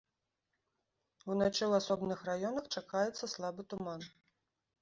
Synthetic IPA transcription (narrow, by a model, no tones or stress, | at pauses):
unat͡ʃɛlˠasɔbnɨxrajɔnɐxt͡ʂakajɛt̪sːɐslˠabɨt̪uman